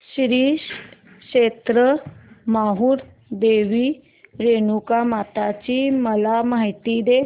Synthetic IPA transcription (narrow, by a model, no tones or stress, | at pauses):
ɕɾiː | ɕet̪ɾəmaɦuːɾ | d̪eʋi | ɾenukamat̪at͡ɕiməlamaɦit̪id̪e